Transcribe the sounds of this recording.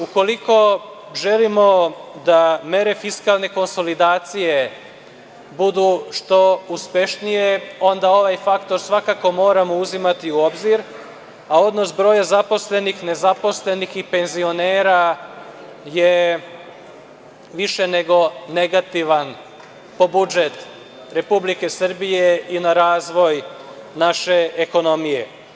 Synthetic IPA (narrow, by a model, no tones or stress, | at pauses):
uko̞liko̞ | ʒe̞limo̞d̪ame̞ɾe̞fiskalˠne̞ko̞nso̞lid̪aːt̪sije̞ | bud̪uʃt̪o̞uspe̞ʃnijeo̞nd̪ao̞ʋajfakt̪o̞ɾsʋakako̞mo̞ːɾamo̞uzimat̪iuo̞bziɾ | ao̞d̪no̞sbɾo̞ːjazapo̞sle̞nixne̞zapo̞sle̞nixipe̞nzio̞ne̞ːɾa | je̞ | ʋiʃe̞ne̞ɡo̞ne̞ɡat̪iʋan | po̞bud͡ʒet̪ | ɾe̞publike̞sr̩bije̞inaɾaːzʋo̞jnaʃe̞eko̞no̞mije̞